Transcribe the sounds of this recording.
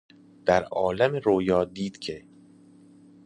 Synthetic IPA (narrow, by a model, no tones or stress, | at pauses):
d̪̥æɾɒːlæmeɾoːjɒːd̪iːd̪̥cʰe̞